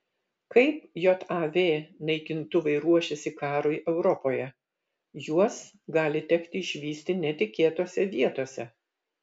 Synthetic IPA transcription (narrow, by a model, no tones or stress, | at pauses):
kɐɪpjɔt̪ɑːʋʲeːnɐɪkʲɪnt̪ʊʋɐɪɾuɔʃʲɛsʲɪkɑːɾoːjʔɛʊɾɔpoːjɛ | juɔs | ɡɑːlʲɪt̪ʲɛkt̪ʲɪɪʃʲʋʲiːsʲt̪ʲɪnʲɛt̪ʲɪkʲeːt̪oːsʲɛʋʲiɛt̪oːsʲɛ